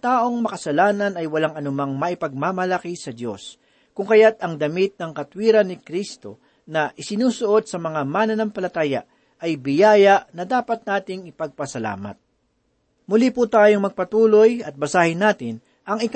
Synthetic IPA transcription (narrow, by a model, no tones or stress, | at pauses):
t̪aːʔo̞ŋmɐkɐsɐlaːnɐnɐjwɐlaŋɐnʊmaŋmɐʔɪpɐɡ̚maːmɐlɐkisɐd̪jo̞̰s | kʊŋkɐjat̪ɐŋd̪ɐmit̪̚nɐŋkɐt̪wiːɾɐnːɪkɾist̪o̞̰ | nɐʔɪsɪnuːsʊʔo̞d̪̚sɐmɐŋamanɐnampɐlɐt̪aːja̰ | ʔɐjbɪjaːjɐʔnɐd̪aːpɐt̪̚naːt̪ɪŋɪpɐɡ̚pɐsɐla̰ːmɐ̰t̪̚ | mʊliput̪aːjoŋmɐɡ̚pɐt̪uːlo̞jɐt̪̚bɐsaːhɪnaːt̪ɪn | ʔɐŋɪk